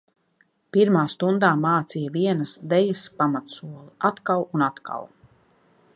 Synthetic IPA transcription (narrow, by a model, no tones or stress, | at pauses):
piɾmaːst̪und̪aːmaːt̪sijaviɛnɐsvɛjaspamat̪suɔlˠiʔat̪kalˠunat̪ka̰lˠ